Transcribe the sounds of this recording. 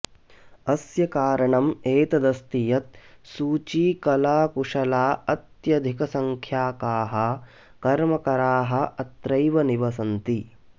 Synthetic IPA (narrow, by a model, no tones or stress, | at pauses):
ɐsjɐkaːɾɐɳɐmeːt̪ɐd̪ɐst̪ijɐt̪̚suːt͡ʃiːkɐlaːkuʂɐlaːɐt̪jɐd̪ʱikɐsɐŋkʰjaːkaːɦɐ | kɐɾmɐkɐɾaːɦɐ̆ɐt̪ɾɐjʋɐniʋɐsɐnt̪i